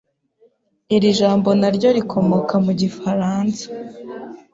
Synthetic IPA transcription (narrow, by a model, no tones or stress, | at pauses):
iɾiʒaːmbo̞naɾɟo̞ɾikʰo̞mo̞kamuɟifaɾaːnsḁ